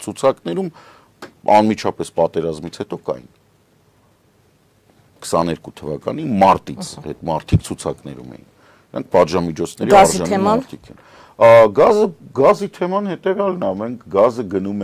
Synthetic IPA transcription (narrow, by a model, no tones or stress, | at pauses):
t͡sʰut͡sʰɑknɛɾum | ɑ̰nmit͡ʃʰɑpɛspɑt̪ɛɾɑzmit͡sʰhɛt̪ɔkɑ̰jḭn | kʰə̥sɑnɛɾkut̪ʰəvɑkɑ̰nimɑɾt̪it͡sʰhɛ̰t̪mɑɾt̪ʰik̚ʰt͡sʰut͡sʰɑknɛ̰ɾumɛ̰jḭn | əɾɑ̰ŋk̚ʰpɑt̪ʒɑmit͡ʃʰɔt͡sʰnɛɾiɑɾʒɑnɾt̪ʰikʰɛ̰n | ɡɑzəɡɑzit̪ʰɛmɑnhɛt̪ɛvjɑlnɑmɛŋkʰɡɑzəɡənumɛ